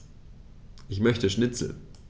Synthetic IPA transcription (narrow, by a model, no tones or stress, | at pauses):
ʔɪçmœçtəʃnɪt͡sl̩